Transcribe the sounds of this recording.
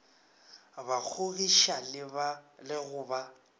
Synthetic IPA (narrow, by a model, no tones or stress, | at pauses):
bak͡xʰoɣiʃal | lɪɣʊːba